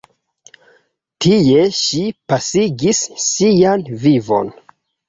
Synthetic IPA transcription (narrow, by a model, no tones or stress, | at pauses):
tʰie̞ʃipasiɡisːianvivo̞̰n